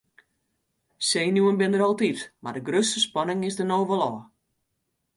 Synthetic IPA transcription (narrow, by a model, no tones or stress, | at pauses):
seːnjuənbɪndəɾɔlˠtitmadəɡrøstəspɔnɪŋɪsdənoːʋəlɔː